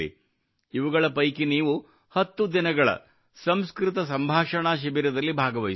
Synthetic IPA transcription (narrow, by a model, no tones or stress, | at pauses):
ḭ | iʋuɡɐɭɐpɐjkiniːʋu | hɐt̪ːud̪inɐɡɐɭɐ̰ | sɐmskɾɪt̪ɐs̬ɐmbʱaːʂɐɳaːʃ̬ibiɾɐd̪ɐlːibʱaːɡɐʋɐj